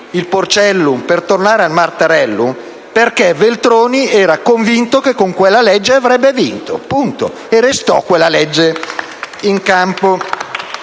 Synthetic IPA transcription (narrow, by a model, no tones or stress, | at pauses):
ilport͡ʃɛlːumpert̪ornaːɾealmart̪aɾɛlːum | perkevelt̪ɾoːniɛːɾakoɱvint̪okekːoŋkwelːalɛd͡ʒːeavɾɛbːevint̪o̰punt̪o̰ | erest̪ɔ̰kːwelːalɛd͡ʒːe | iŋkampo